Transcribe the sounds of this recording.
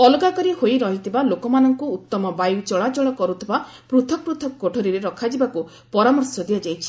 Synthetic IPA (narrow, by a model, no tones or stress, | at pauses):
ɔlɔɡakɔɾihojɾɔɦit̪ʰibalokɔmanɔŋkuːt̪ːɔmɔbajwt͡ʃɔɭat͡ʃɔɭɔkɔɾut̪ʰiba | pɾut̪ʰɔk̚pɾut̪ʰɔkɔːoʈʰoɾiɾeɾɔkʰad͡ʒibaku | pɔɾamɔɾsjɔd̪iad͡ʒajt͡ʃʰi̥